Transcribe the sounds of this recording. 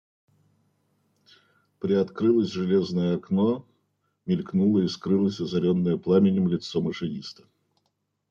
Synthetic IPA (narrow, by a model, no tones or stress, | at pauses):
pɾʲɪɐt̪kɾɨlˠəsʲʐɨlʲeznəjəɐkno | mʲɪlʲknulˠəiskɾɨlˠəsʲɐzɐɾʲonːəjəplˠamʲɪnʲɪmlʲɪt̪somɨʂɨnʲist̪ə̥